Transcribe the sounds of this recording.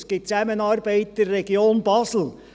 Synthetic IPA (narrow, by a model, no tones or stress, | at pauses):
sɡ̥ɪt͡sæmənɑːɾbɛɪt̪̚d̪ərːɛɡioːnbɑːsl̩